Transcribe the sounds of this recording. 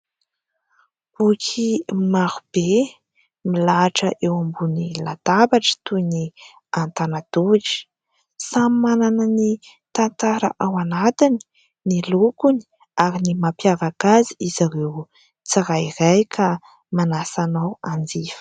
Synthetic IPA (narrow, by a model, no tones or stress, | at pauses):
ukʰimaɾub̥e | milaʈ͡ʂəʔewambunilat̪abaʈ͡ʂə̥t̪uni | ant̪anad̪uʈ͡ʂi̥ | samimananani | t̪ant̪aɾə̰ʔawanat̪ini̥ | nilukuni̥ | aɾinimapjavakaziizaɾew | t͡saɾairajkʰa | manasanawand͡zifə̥